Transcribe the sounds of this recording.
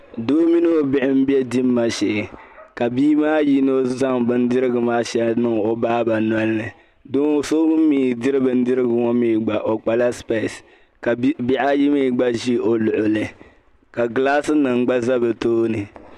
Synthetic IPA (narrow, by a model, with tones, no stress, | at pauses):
doː˦mi˦n˦o˨bɪ˦ʔɪ˦m̩˦bi˦ɛ˦di˦mː˦a˦ʃɛ˨ʔɪ˨ka˨biː˦maː˦ji˦no˦za˦ŋbɨ˦n˦dɪ˦ɾɨ˦ɡɨ˨maː˦ʃɛ˦lnɨ˦ŋo˨baː˦ba˨n˨a˦lːɨ˨ | do˦ŋ˦so˦m̩˦miː˦˨dɪ˦ɾɨ˦bɨ˨n̩˦dɪ˦ɾɨ˦ɡɨ˨ŋɔ˦miː˦˨ɡ͡ba˨ʔo˨k͡pa˨la˦spe˦˨s | ka˨bi˦ʔa˦ji˦miː˦˨ɡ͡ba˦ʒi˦o˨lʊ˨ʔʊ˨lɨ˨ | ka˨ɡlaː˦sɨ˦nɨ˨ŋ̩˨˦ɡ͡ba˦za˦bɨ˨toː˦nɨ˨